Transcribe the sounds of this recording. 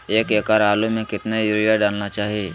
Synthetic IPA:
eːkeːkaɾaːlumẽkɪt̪najuːɾijaɖaːlnat͡ʃaːɦieː

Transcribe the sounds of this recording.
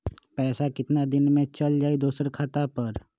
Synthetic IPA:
pɛːsakɪt̪nad̪ɪnmẽt͡ʃəld͡ʒaːid̪usəɾkʰaːt̪apəɾ

